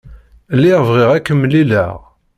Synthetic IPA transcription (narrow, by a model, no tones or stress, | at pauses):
lːiʁvʁɪʁækːəmːlilə̰ʁ